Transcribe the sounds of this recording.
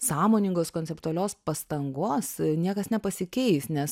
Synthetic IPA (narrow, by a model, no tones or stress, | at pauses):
sɑːmoːnʲɪŋɡoːskoːnʲsʲɛpt̪uɐlʲoːspɐst̪ɐŋɡoːsnʲiɛkɐsnʲɛpɐsʲɪkʲɛɪsnʲɛs